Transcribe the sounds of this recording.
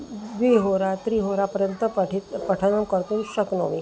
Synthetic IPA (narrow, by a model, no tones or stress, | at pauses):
ʋiɦoɾat̪ɾiːɦoɾapəɾjənt̪əpəʈit̪pəʈʰənəmkəɾt̪uːnɕəkno̰ʋi